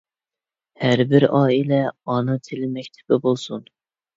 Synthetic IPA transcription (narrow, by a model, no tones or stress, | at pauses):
hæɾbɪɾɑːilɛɑnɨt̪ʰɪlɪmɛkʲt̪ʰɪ̥pɪbolˠsun